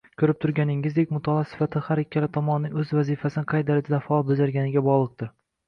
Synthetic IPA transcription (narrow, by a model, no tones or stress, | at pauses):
kʰɵɾɪp̚t̪ʰʊɾɡʲanɪŋːɪzd̪ekʲmʊt̪ʰɒlɒsɪ̥fat̪ʰɪhaɾekʲʰːalɪt̪ʰɒmɒnɪnɪŋɵzvazɪfasɪnɪqʰɑjtd̪aɾɪd͡ʒɪd̪afaɒlˠbɵzaɾɡʲanɪɡʲabɒʁlˠɨq̚d̪ɪɾ